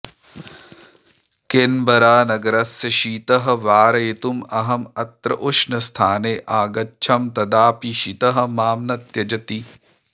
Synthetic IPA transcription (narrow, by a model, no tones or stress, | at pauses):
keːnbɐɾaːnɐɡɐɾɐsjɐʃiːt̪ɐɦɐ̆ʋaːɾɐjɐt̪umɐɦɐmɐt̪ɾɐ̰ʔoʂnɐst̪ʰaːneːʔaːɡɐt͡ʃːʃʰɐmt̪ɐd̪aːpiʃit̪ɐɦɐ̆maːmnɐt̪jɐd͡ʒɐt̪i